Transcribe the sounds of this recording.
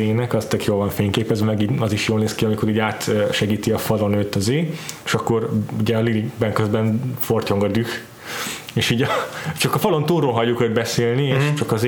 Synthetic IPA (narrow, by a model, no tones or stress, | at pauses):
eːnɛkɒst̪økjoːlvɒɱfeːɲkeːpɛzvɛmɛɡiɒziʃjoːlneːskiɒmiko̞ɾiːɟaːt̪øʃɛɡiːt̪iɒfɒlo̞nøːt̪ːɒzeːeʃɒkːo̞ɾuɟɛɒliliɡbɛŋkøzbɛnforc̪oŋɡɒd̪yx | eːʃiːɟɛt͡ʃɒkɒfɒlo̞nt̪uːɾolɦɒɟːukød̪̚bɛseːlnieːʃt͡ʃɒkɒz